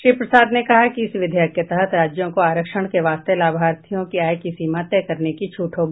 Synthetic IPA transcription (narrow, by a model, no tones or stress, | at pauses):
ʃɾiːpɾəsaːd̪nekɐɦakiɪsʋɪd̪ʱjakːet̪əɦət̪ɾaːd͡ʒjõkoaːɾəkʃəɽ̃keʋaːst̪elaːbʱaːɾt̪ʰijõkiaːjkisiːmãt̪ɛːkɐɾnekit͡ʃʰuːʈʰɦoːɡi